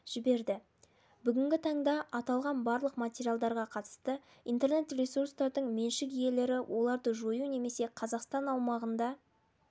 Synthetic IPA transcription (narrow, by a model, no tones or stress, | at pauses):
ʒ̥ɪbe̞ɾd̪ɪ | bʏɡʲɪŋɡʲɪt̪ʰɑɴd̪ɑʔɑt̪ɑlˠʁɑnbɑɾlˠəqmatʲeɾijalˠd̪ɑɾʁɑqʰɑt̪ə̥st̪ə | ijnt̪e̞ɾne̞t̪rʲesurst̪ɑɾd̪əɴme̞nʃɪkije̞le̞ɾɪwʔo̞lˠɑɾd̪əʒojune̞me̞se̞qʰɑzɑqst̪ɑnɑwmɑʁənd̪ɑ